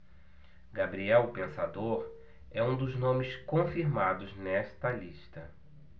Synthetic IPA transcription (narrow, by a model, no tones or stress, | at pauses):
ɡabɾiɛwpẽsad̪oɾ | ɛũd̪ʊznõmɪskõfiɾmad̪ʊznɛst̪ɐliʃt̪ɐ